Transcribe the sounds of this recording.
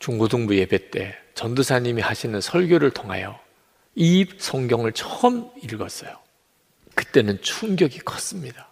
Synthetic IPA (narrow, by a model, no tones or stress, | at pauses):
t͡ɕuŋɡodoŋbuje̞be̞t͈e̞t͡ɕʌndusʰaɲimihaɕʰinɯnsʰʌɭɡjoɾɯɭtʰoŋɦa̰jʌ | ipsʰʌŋɡjʌŋɯɭt͡ɕʰʌmiɭɡʌs͈ʌjo | kɯt͈e̞nɯnt͡ɕʰuŋɡʲjʌɡikʰʌs͈ɯmɲida